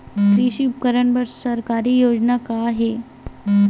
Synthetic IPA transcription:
tɾiɕiːup̚kəɾəɳbəɾsəɾkaɾiːjod͡znakaɦe

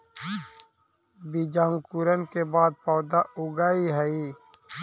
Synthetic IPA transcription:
bid͡ʒãːŋɡkuɾənkebaːd̪̚pɔːd̪aʊɡaːiɦəi

